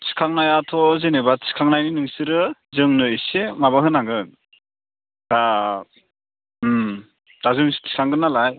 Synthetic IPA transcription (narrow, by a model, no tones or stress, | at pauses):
sɯ̥kʰaŋnajatʰɔzenebasʰi̥kʰaŋnajninɯŋsɯɾɯzɯŋnɯisemaβaɦɯnaŋɡɯn | d̥a | m | d̥azɯmstʰi̥kʰaŋɡɯnalaj